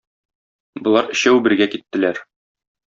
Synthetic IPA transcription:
bŏlˠɑɾɘ̆ɕæwbɘ̆ɾɡækit̪ːɘ̆læɾ

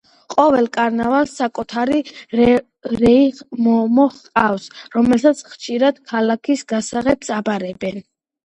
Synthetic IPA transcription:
qʼɔvɛlˠkʼaɾnavalˠsːakʼut̪ʰaɾi | ɾɛimɔmɔχqʼafsɾɔmɛlsat̪sʰχʃiɾad̪̥kʰalakʰisɡasaʁɛbsabaɾɛbɛn

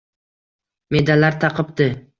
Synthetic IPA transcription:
med̪alaɾt̪ʰɑqɨp̚t̪ɪ

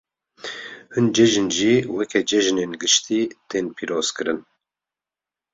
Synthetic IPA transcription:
hɨnd͡ʒɛʒɨnʒiːwɛkʰɛd͡ʒɛʒneːnɡɨʃt̪ʰiːt̪ʰeːnpʰiːɾoːz̥kɨɾɨn

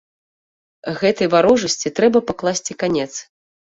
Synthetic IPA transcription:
ɣɛt̪ɐjvaɾɔʐɐsʲt͡sʲit̪ɾɛbɐpaklˠasʲt͡sʲikanʲɛt̪s

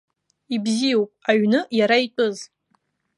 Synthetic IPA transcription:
ibzijowpʼaɥnɨjaɾait͡pʷʼʊz

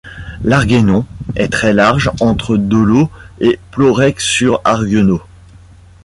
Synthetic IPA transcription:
laʁɡenɔ̃ɛt̪χɛlaʁʒɑ̃t̪χəd̪ɔloeplɔʁɛksyʁaʁɡɔno

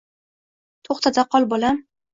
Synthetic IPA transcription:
t̪ʰoχt̪ad̪aqʰɒlˠbolam

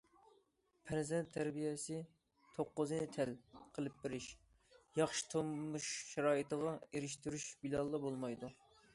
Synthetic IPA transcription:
pʰɛɾzɛnt̪ʰːæɾbijɛsɪ | t̪ʰoqːʊznɪt̪ʰɛlqʰəlˠɨp̚bɪɾɪʃ | jɑχʃi̥t̪ʰommːuʃʃɛɾɑːit̪əʁɑeɾɪʃt̪yɾyʃbilˠɑlˠːɑbolˠmɑjd̪u

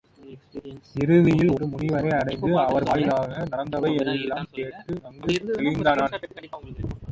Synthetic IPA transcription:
ɪɾɯðɪjɪlɔɾɯmʊnɪʋɐɾɐɪɐɽɐɪnd̪ɯɐʋɐɾʋaːjɪlaːɣɐnɐɾɐnd̪ɐʋɐɪɛɾɯɛlːaːmkeːʈːɯɐŋɡɯkɐlɪnd̪aːnaːn

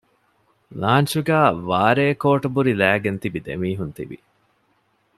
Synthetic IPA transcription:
laːnʃuɡæːʋaːɾeːkoːʈɐbuɾilæːɡent̪ibid̪ḛmiːɦunt̪ḭʋḭ

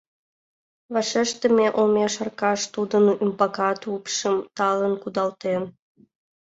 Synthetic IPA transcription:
βɑʃeʃt̪ə̆mʲeʔomʲeʃɑrkɑʃt̪ud̪ənympɑkɑt̪upʃəmt̪ɑlənkud̪ɑlt̪en

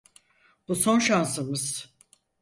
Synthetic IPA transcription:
b̥uso̞nʃansɯmɯz̥

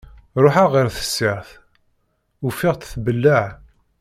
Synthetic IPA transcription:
ɾˤoħaʁəɾθə̥sːɪʁθ | ufɪʁt̪θbəlːəʕ

